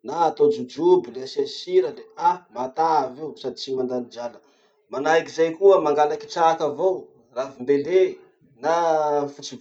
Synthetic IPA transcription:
naːt̪od͡ʒud͡ʒubileasiasiɾəleamat̪aːveusad̪it͡ʃimand̪anid͡ʒalə | manajkizajkuəmaŋɡalaki̥ʈ͡ʂaːkavow | ravimbele | nafut͡si

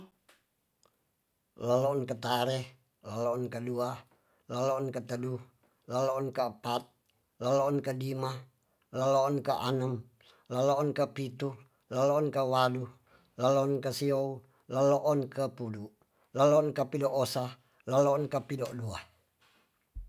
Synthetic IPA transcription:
lalɔːnkat̪aɾɛ | laloːnkadua | laloːnkat̪əduh | laloːnkapat̪̚ | laloːnkadima | laloːnkaʔa̰nəm | laloːnkapit̪u | laloːnkawadu | lalɔɔnkasiou | laloʔːnkʰapudu | laloːnkapidoʔosa | laloɔnkapidoduah

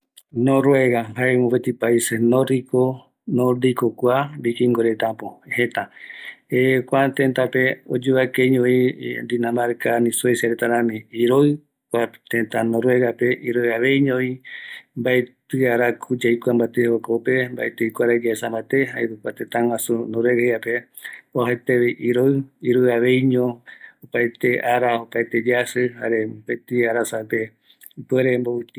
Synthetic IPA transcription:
nõɾweɣahaemõpet̪ipaisenõɾiko | noɾd̪ikokwabikiŋɡoɾet̪apohet̪a | ekʷat̪ẽnt̪apeod͡ʒuβakeɲõid̪inãmaɾkanĩsuesjaɾet̪aɾãmĩiɾoɨ | kʷat̪ẽt̪anõɾweɣapeʔiɾoaβejɲõimbaet̪ɨaɾakʰud͡ʒajkʷambat̪ehokope̞mba̰et̪ɨikʷaɾad͡ʒaesambat̪eɦaeɾukʷat̪ẽt̪ãw̃ãsunõɾweɣheape | oɦat̪eβeʔiɾoɨiɾoɨaβe̞jɲõopaet̪eʔaɾaopaet̪ed͡ʒasɨha̰ɾe̞bet̪iaɾasape | pweɾembout̪

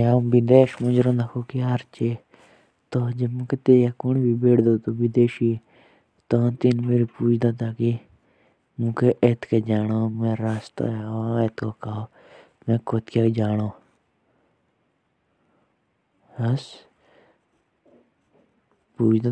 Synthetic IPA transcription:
ãːmbid̪eːʃmõd͡ʒɾõnd̪akʰoːkiɦəɾt͡ʃe | t̪od͡ʒemũket̪eːjakʊɳ̃bibeːʈd̪oːt̪oʋid̪eːʃi | t̪oãnt̪inmeːɾipuːt͡ʃʰd̪aːt̪aːki | mũkeʔet̪ked͡ʒaːnoːmẽːɾaːst̪a̰aet̪kokaoː | mẽːkot̪kad͡ʒaːnoː | ɐs | puːt͡ʃʰd̪a

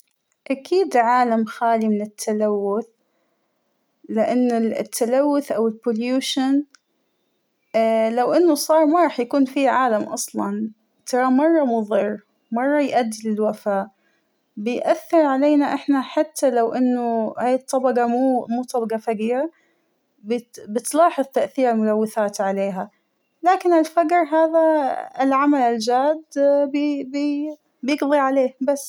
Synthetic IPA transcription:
ʔakʰiːd̪ʕaːlamxaːlimɪnɪt̪ʰːalawːʊθ | lɪʔanːɪt̪ʰːalawːʊθʔawɪlpʊljuːʃan | lawʔɪnːʊsˤɑːɾˤmaɾˤɑːħjakuːnfiʕaːlamʔɑsˤlɑn | t̪ʰɑɾˤɑmɑrˤːɑmʊðˤir | mɑrˤːɑjʔad̪ːɪlɪlwafaːʔ | bɪjʔaθːɪɾˤʕaleːnaʔɪħnaħat̪ʰːalawʔɪnːʊhaːjɪt̪ˤːɑbɑqɑmuːmuːt̪ˤːɑbɑɡɑfaɡiːɾa | bɪbɪt̪lɑːħɨðˤt̪aʔθiːɾalmʊlawːɪθaːt̪ʕaleːɦa | laːkɪnɪlfaɡɾɦaːðaɪlʕamalɪld͡ʒaːd̪bb | bjɪɡðˤiʕaleːhbasː

